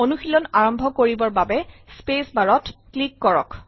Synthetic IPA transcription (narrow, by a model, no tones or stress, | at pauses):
onuxilɔnaɹɔmbʱɔkoɹibɔɹbabɛspesbaɹɔtklikːɔɹɔ̰k